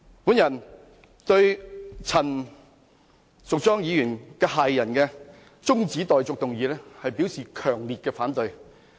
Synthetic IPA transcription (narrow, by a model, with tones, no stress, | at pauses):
puː˨˥njɐ˨˩n | t̪ɵ˧ɥt͡sʰɐ˨˩n | sʊ˨k̚t͡sɔː˥ŋjiː˨˧jyː˨˩nkɛː˧haː˨jːɐ˨˩nkɛː˧ | t͡sʊ˥ŋt͡siː˨˥t̪ɔː˨jt͡sʊ˨k̚t̪ʊ˨ŋjiː˨˥lɛː˥hɐ˨jpiː˨˥wsiː˨kʰœː˨˩ŋliː˨t̚kɛː˧faː˨˥nt̪ɵ˨˧j